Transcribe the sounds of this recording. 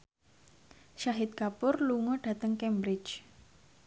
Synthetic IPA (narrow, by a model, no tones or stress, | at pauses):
ʃaɦɪt̪̚kapʊrluŋɔɖ̥ä̤t̪əŋkɛmbɾɪ̥t͡ʃ